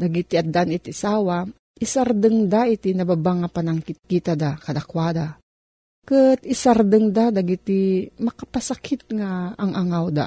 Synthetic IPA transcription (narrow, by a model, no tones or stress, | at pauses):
d̪aɡit̪iad̪anit̪isawa | isaɾd̪əŋd̪ait̪inababaŋːapanaŋkit̪̚kit̪ad̪akad̪akwad̪a | kət̪isaɾd̪əŋd̪ad̪aɡit̪imakapasakʰit̪̚ŋaːŋʔaŋawd̪a̰